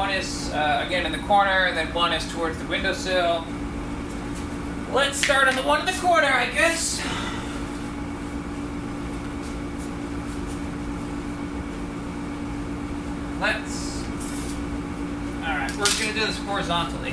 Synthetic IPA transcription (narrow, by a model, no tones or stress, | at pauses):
ɾ̃ɨs | ʌɨɡɛ̃nɨ̃nðɨkʰɔɹnə˞ɨðɨ̃npʰwɑ̃ɾ̃ɨstʰəwɔɹdzðɨwɪ̃ndoʊsɪlˠ | lətstɑɹɾn̩ðəwʌ̃nʌvðɨkʰɔɹnə˞aɪɡɛs | lɨts | ɔlˠɹaɪt̚wəɹzɡʌnɨdɨðɪshɔɹɨzɑ̃ntˡl̩ˠḭ